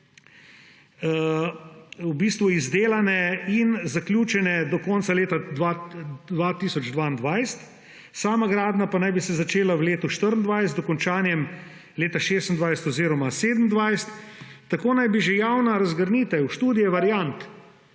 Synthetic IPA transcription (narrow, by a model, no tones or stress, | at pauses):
wbiːst̪ʋuizd̪eːlanɛinzaklʲjuːt͡ʃɛnɛd̪ɔkɔːnsaleːt̪ad̪ad̪ʋat̪isɔd͡ʒd̪ʋaːind̪ʋajst̪ | saːmaɡɾaːd̪napanajbisɛzat͡ʃeːlawleːt̪ɔʃt̪əɾənd̪ʋajst̪ɔkɔnt͡ʃaːnjɛm | leːt̪aʃeːst̪n̩d̪ʋajsɛ̥t̪ɔziːɾɔmaseːd̪n̩d̪ʋajst̪ːakoːnajbiʒejawnaɾɐzɡəɾniːt̪ɛuʃt̪uːd̪ijɛʋaɾjant̪